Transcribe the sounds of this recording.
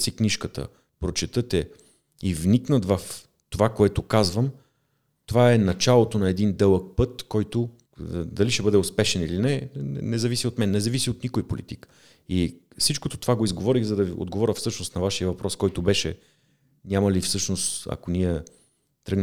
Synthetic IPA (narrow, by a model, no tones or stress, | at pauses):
sikniʃkət̪ə̰ | pɾot͡ʃɛt̪ɤt̪ɛ | ivniknət̪vəf | t̪ovakoɛt̪ʊkazvəm | t̪ovaɛnɐt͡ʃalˠot̪onɐɛd̪ind̪ɛlˠək̚pɤt̪kɔjt̪o | d̪ɐliʃɛbɤd̪ɛʊspɛʃɛnilinɛnɛzɐvisiot̪mɛnːɛzɐvisiot̪nikojpolḭt̪ik | ifsit͡ʃkot̪o̥t̪ovaɡoizɡovɔɾiɣzɐd̪ɐvḭo̰d̪ɡovɔɾʲəfsɤʃnosnɐvaʃiəvɐpɾɔskɔjt̪obɛʃɛ | nʲamɐlifsɤʃnost̪ɐ̰koniɛ | t̪ɾəɡn